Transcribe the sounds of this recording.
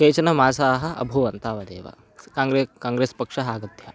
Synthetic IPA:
keːt͡ʃɐnɐmaːsaːɦɐ̆ɐ̰bʱuʋɐnt̪aːʋɐd̪ḛːʋɐ̰ | kaːŋɾekaːŋɡɾeːspɐkʂɐɦaːɡɐd̪jɐ

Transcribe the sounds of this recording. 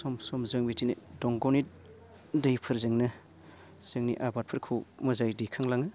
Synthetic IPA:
sɔmsɔmzɯŋbitinḭdɔŋɡoni | dɐjpʰɯɾzɯŋnɯ | z̥ɯŋnḭʔabat̚pʰɯɾkʰɯwmɐzajdijkʰaŋlaŋɯ

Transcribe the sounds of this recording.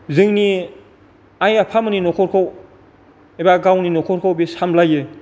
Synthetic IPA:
zɯŋni | ajapʰamɯninɔkʰɔɾkʰɔw | ebaɡawninɔkʰɔɾkʰowbisamlajɯ

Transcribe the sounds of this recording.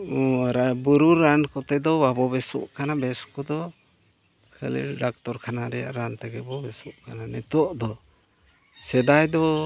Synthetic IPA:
ɾabuɾuɾankɔt̪ɛd̪ɔbabɔβɛsɔ̰ʔkanabɛskɔd̪ɔ | kʰə̰lḭɖak̚t̪ɔɾkʰanaɾɛja̰ʔɾant̪ɛɡɛbɔbɛsɔʔkananɛt̪uɔʔd̪ɔ | sɛd̪ajd̪ɔ

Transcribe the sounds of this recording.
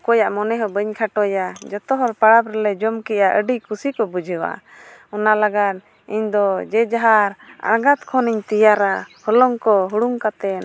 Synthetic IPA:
kɔjaʔmɔnɛɦɔbəɲkʰaʈɔjad͡ʒɔt̪ɔɦɔlpaɽabɾɛlɛd͡ʒɔmkɛʔaʔəɖiʔkʰusikɔbud͡ʒʱəwa̰ | ɔnalaɡad̪̚ | iɲd̪ɔd͡ʒɛd͡ʒaɦaɾa̰ɾɡat̪kʰɔniɲt̪ijaɾahɔlɔŋkɔɦuɽuŋkat̪ɛn

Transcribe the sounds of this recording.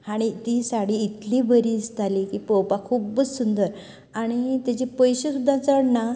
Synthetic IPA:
haɽ̃it̪isaɽiːt̪libəɾiːt͡st̪alikipəwpakʰuːbəd͡zsund̪əɾ | aɽ̃it̪at͡ɕepəjɕesud̪ʱːat͡səɽna

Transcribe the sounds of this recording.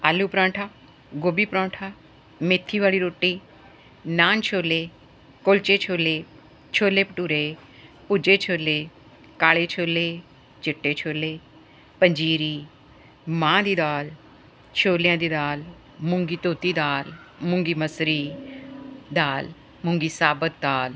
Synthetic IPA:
aːlːuːpɾãːʈʰaː | ɡoːbiːpɾɔ̃ːʈʰaː | met̪ʰːiːʋaːliːɾoːʈːiː | naːnt͡ʃʰoːleː | kʊlt͡ʃeːt͡ʃʰoːleː | t͡ʃʰoːleːpəʈuːɾeː | pʊd͡ʒeːt͡ʃʰoːleː | kaːleːt͡ʃʰoːleː | t͡ʃɪʈːeːt͡ʃʰoːleː | pəɲd͡ʒiːɾiː | mãːd̪iːd̪aːl | t͡ʃʰoːlɪjãːd̪iːd̪aːl | mʊŋɡiːt̪oːt̪iːd̪aːl | mʊŋɡiːməsɾiː | d̪aːl | mʊŋɡiːsaːbət̪̚d̪aːl

